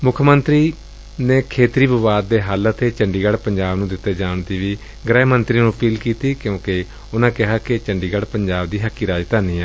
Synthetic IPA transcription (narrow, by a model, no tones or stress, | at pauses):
mʊkʰmənt̪ɾiː | neːkʰeːt̪ɾiːʋəʋaːd̪̚ːeːɦaːlət̪ʰeːt͡ʃəɳɖiːɡəɽpəɲd͡ʒaːbnũːd̪ɪt̪ːeːd͡ʒaːɳt̪iːʋiː | ɡɾɛːmənt̪ɾiːnũːpʰiːlkiːt̪iːkjõːke | ʊnãːkɪɦaːkɪt͡ʃəɳɖiːɡəɽpəɲd͡ʒaːb̚d̪iːɦəkːiːɾaːd͡ʒt̪aːnĩːɛː